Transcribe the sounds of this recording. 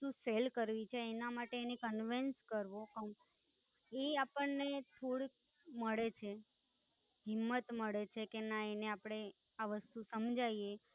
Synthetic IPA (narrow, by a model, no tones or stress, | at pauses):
t̪uselkəɾʋit͡ʃʰeːnamaʈeːnekənʋinskəɾʋokəm | eapəɳnet̪ʰoɽi | məɭet͡ʃʰe | ɦɪmːət̪məɭet͡ʃʰekenaeneapɽ̃e | aʋəst̪usəmd͡ʒʱaie